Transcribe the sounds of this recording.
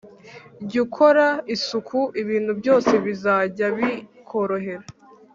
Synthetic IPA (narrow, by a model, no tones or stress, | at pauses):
ɟukʰo̞ɾaisukʰuʔiβiːn̥hubjo̞ːse̞βizaːɟaβikʰo̞ɾo̞ɦe̞ɾa